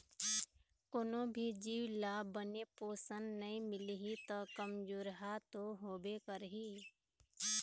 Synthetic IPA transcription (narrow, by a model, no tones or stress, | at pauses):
ʊnõbʱid͡ʒiːwlaːbənepoːsənnəĩmɪlɦit̪əkəmd͡ʒoːɾɦat̪oɦoːbekəɾɦiː